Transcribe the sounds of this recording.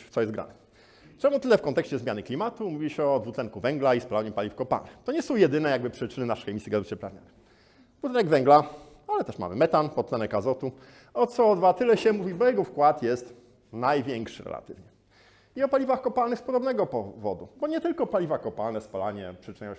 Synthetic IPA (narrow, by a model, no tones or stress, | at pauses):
t̪sɔjɛst̪ɡɾa̰nɛ | t͡ʂɛmut̪ɘlɛfkɔnt̪ɛkɕt͡ɕɛzmʲjanɘklʲimat̪umuvʲiɕɛɔd̪vut̪lɛŋkuvɛŋɡlaispalaɲɛpalʲifkɔpa̰lnɘxt̪ɔɲɛsɔ̃w̃jɛd̪ɘnɛjaɡ̚bɘpʂɘt͡ʂɘnɘnaʂɛxɛmʲisʲjiɡazvt͡ɕɛpɾavɲa̰nɛ | vut̪ɛnɛɡvɛŋɡla | alɛt̪ɛʂma̰mɘ̰mɛt̪anpɔt̪sɛnɛkazɔt̪u | ɔt̪sɔd̪vat̪ɘlɛɕɛmuvʲibɔjɛɡɔfkwat̪jɛst̪ | najvʲjɛŋkʂɘɾɛ̰la̰t̪ɘ̰vɲɛ | iɔpalʲivaxkɔpalnɘxspɔd̪ɔbnɛɡɔpɔvɔ̰d̪ubɔɲɛt̪ɘlkɔpalʲivakɔpalnɛspalaɲɛpʂɘt͡ʂɨɲajɔ